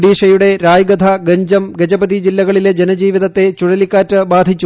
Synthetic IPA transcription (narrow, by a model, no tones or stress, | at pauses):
ɽiːʂɐjuɽe̞ɾaːjɡɐd̪ʱɐɡɐɲd͡ʑɐmɡed͡ʑɐbɐd̪id͡ʑilːɐɣɐɭiled͡ʑenɐd͡ʑiːʋiðɐt̪ːe̞t͡ɕuɻɐlikːaːtːɨbaːd̪ʱit͡ɕːu